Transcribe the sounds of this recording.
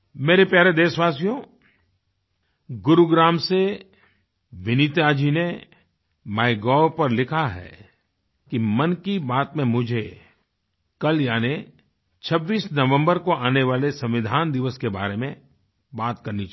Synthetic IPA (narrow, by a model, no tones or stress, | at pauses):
meːɾepjaːɾed̪eːʃʋaːsijõ | ɡʊɾuɡɾaːmse | ʋɪnit̪jad͡ʒine | maːɪɡɔːɾpɐɾlɪkʰaɦɛ̰ | kimɐnkibaːt̪mẽmʊd͡ʒʱe | kɐljaːne | t͡ʃʰɐbːiːsnɐʋə̃mbəɾkoaːneʋaːlesɐ̃mʋɪd̪ʱaːnd̪ɪʋəskeba̰ːɾemẽ | baːt̪kɐɾnit͡ʃ